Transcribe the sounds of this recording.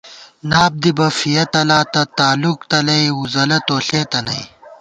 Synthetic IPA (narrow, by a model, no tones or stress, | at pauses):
naːb̚d̪ibɐfijɐt̪ɐlaːt̪ɐt̪aːlukt̪ɐlɐjuzɐlɐt̪oːɬeːt̪ɐnɐj